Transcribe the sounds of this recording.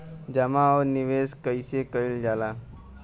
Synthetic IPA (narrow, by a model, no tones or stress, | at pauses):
d͡ʑəmaɔɾniʋeskəjsekəild͡ʒala